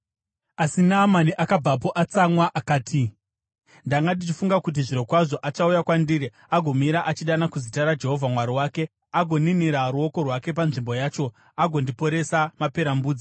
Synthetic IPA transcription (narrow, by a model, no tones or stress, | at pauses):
asinaːmaniʔakab͡vap̬o̞ʔat͡samwaʔakaːtʰi | ndaŋɡadit͡ʃifuŋɡakut̬iʐiɾo̞kwaʐo̞ʔat͡ʃaujakwandiːɾi | aɡʱo̞miɾaʔat͡ʃiɗanakuzitaɾad͡ʒe̞ɦo̞vʱamwaɾiwaːke̞ | aɡʱo̞niniɾaɾuo̞ko̞rwake̞p̬anʐimbo̞jaːt͡ʃo̞ | aɡʱo̞ndipo̞ɾe̞samape̞ɾambuːd͡zi